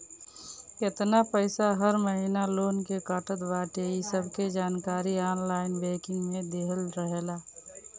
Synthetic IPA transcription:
kɪt̪napəɪsaɦəɾməɦinaloːnkekaːʈət̪baːʈeisəbʱked͡ʒaːnkaːɾiaːnlaːɪnbeːkɪ̃ŋɡmẽd̪eːɦəlɾəɦeːlaː

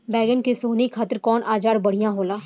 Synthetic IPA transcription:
bɛːɡənkesoːnikʰat̪ɾkɔːnʔaːd͡ʒaːɽbɐɽ̤ijãɦoːlaː

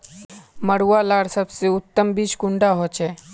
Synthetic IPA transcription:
məɽuʋalaɽsəbseut̪ːəmbiːskuɳɖaɦot͡ʃe

